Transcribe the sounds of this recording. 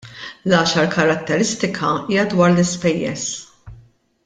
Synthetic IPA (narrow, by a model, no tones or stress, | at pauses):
lɐːʃɐɾkɐɾɐt̪ːɛɾɪst̪ɪkʰɐiːjɐd̪wɐːɾlɪspɛjːɛ̰s